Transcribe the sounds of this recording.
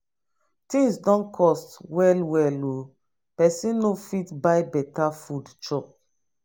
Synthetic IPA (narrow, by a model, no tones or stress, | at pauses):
tĩŋsdɔ̃nkʰɔstwɛlwɛlo | pɛsĩnnofitbajbɛtafudt͡ʃɔk̚